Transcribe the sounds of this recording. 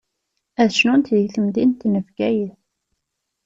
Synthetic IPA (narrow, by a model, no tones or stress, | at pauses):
æðʃnunt̪ðiθəmd̪int̪nəfɡæjəθ